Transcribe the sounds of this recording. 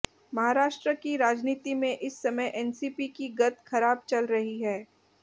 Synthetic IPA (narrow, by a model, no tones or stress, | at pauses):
mɐɦaːɾaːʃʈɾəkiɾaːd͡ʒniːt̪imẽʔɪsːɐməjʔɛːnsiːpikiɡɐt̪xɐɾaːb̚t͡ʃɐlɾɐɦiɦɛː